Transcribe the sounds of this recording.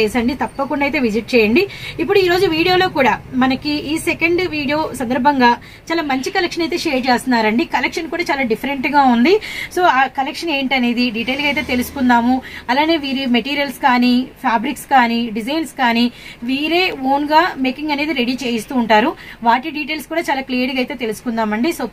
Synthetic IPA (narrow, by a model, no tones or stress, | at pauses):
eːsɐɳɖit̪ɐpːɐkuɳɖɐjt̪e̞ːʋid͡ʒiʈ̚t͡ʃɛːjɐɳɖiipːuɽuiːɾo̞ːd͡ʒuʋiːɽijoːlo̞ːkuːɽaːmɐnɐkiʔiːsekɐɳɖʋiːɽijo̞ːsɐnd̪ɐɾbʱɐŋɡaː | t͡ʃaːlaːmɐɲt͡ʃikɐlekʂɐnɐjt̪e̞ːʃeːɾt͡ʃeːst̪unːaːɾɐɳɖikɐlekʂɐnkuːɽaːt͡ʃaːlaːɖipʰɐɾeɳʈɡaːund̪iso̞ːaːkɐlekʂɐne̞ːɳʈɐne̞ːd̪iɖiːʈeːlɡɐjt̪e̞ːt̪e̞lusu̥kund̪aːmuɐlaːne̞ːʋiːɾimɐʈiːɾijɐlskaːnipʰaːbɾikskaːniɖid͡ʒɐjnskaːniʋiːɾe̞ːoːnɡaːme̞ːkiŋɡɐne̞ːd̪iɾe̞ɽiːt͡ʃe̞ːjɐst̪uːɳʈaːɾuʋaːʈiɖiːʈeːlskuːɽaːt͡ʃaːlaːklijɐɾʈiɡɐjt̪e̞ːt̪elusu̥kund̪aːmɐɳɖisoː